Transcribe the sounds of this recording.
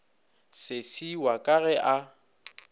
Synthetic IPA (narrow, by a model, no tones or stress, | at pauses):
sɪsiwakʼaɣɛʔa